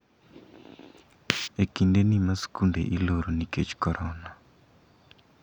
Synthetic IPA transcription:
ekindenimasi̥kundḛʔiloɾoniket͡ʃkɔɾɔna

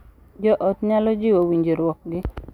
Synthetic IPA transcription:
d͡ʒɔʔɔtɲalɔd͡ʒɪwowiɲd͡ʒeɾwɔk̚ɡɪ

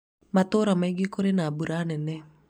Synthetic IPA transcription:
matoːɾamaiɡekoɾenaːbuɾanɛnɛ

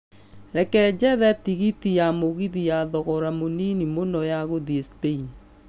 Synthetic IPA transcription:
ɾɛkɛd͡ʒɛðɛtiɣitijamoɣiðijaðɔɣɔɾamoninimonɔjaɣoðiespein

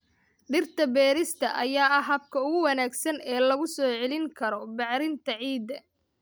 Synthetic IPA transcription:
ɖɪrt̪ʰɐbɛːɾɪst̪ʰɐʔɐjaːɐɦɐb̚kʰɐʊɣʊwɐnaːɡsɐnɛːlɐɣʊsɔːʕɛlɪŋkʰɐɾɔbɑʕɾɪnt̪ʰɐʕiːd̪ːɐ

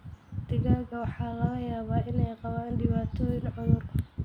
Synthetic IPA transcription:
d̪̥ɪɣaːɣɐwɑħɑːlɐɣɐjaːβaːʔɪnɛjqɑβaːnɖɪβaːt̪ʰɔːjɪŋʕʊðʊrkʰɐ

